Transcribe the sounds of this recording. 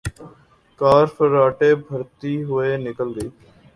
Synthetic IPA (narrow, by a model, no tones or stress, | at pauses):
kaːɾpʰəɾaːʈeːbʱəɾt̪iːɦʊeːnɪkəlɡəiː